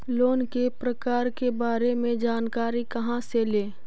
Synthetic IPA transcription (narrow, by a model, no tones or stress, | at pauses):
loːnkepɾəkaːɾkebaːɾemẽd͡ʒaːnkaːɾikɐɦãseleː